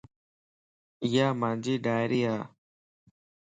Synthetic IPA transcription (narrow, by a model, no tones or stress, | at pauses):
jamand͡ʒiɖaɾia